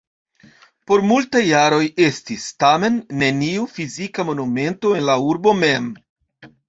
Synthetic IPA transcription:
po̞ɾmultajːaɾo̞je̞stistame̞nːe̞niufizikamo̞nume̞nto̞e̞nlauɾbo̞me̞m

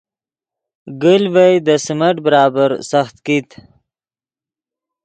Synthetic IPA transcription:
ɡəlvajd̪əsəmaʈbəɾɑːbaɾsaxt̪kit̪

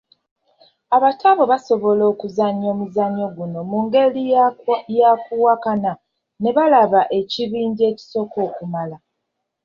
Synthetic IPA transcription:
aβataβo̞βaso̞βo̞lo̞ːkuzaɲo̞ːmuzaɲo̞ɡuno̞muŋɡe̞lijakuwakana | ne̞βalaβaʔe̞ciβiːɲɟe̞ːci̥so̞kʰo̞ːkumala

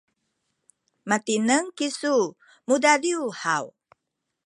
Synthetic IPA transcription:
matinəŋkisu | mudadiuhaw

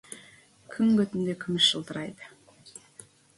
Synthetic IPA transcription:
kʲʰʏŋɡʲɵt̪ɪnd̪ekʲʰymɪʃːəlˠt̪əɾɑjd̪ə̥

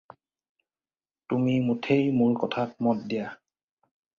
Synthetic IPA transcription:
tumimutʰejmʊɹkɔtʰat̚mɔt̚dija

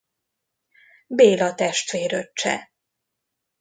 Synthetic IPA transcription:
beːlɒt̪ɛʃt̪ʋeːɾøt͡ʃt͡ʃːɛ̰

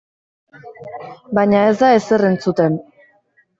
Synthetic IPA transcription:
bajɲae̞zd̪ae̞sere̞nt͡sut̪e̞n

